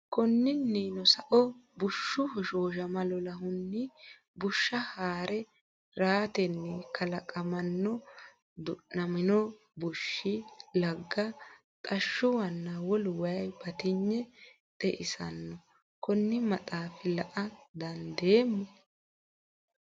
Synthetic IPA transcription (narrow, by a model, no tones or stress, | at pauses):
kɔnːɪnːiːnɔsɐʔɔbʊʃːʊhɔʃoːʒɐmɐlɔlɐhʊnːɪ | bʊʃːɐhaːɾɛ | ɾaːt̪ɛnːɛkʰɐlɐkʼɐmɐnːɔ | d̪ʊʔnɐmɪnɔ | bʊʃːɪlɐɡːɐ | t̪ʼɐʃːʊwɐnːɐwɔlwɐjɐjbɐt̪ɪɲːɛ | t̪ɛʔɪsɐnːɔ | kɔnːɪmɐt̪ʼaːfɪlɐʔɐd̪ɐnd̪eːmːɔ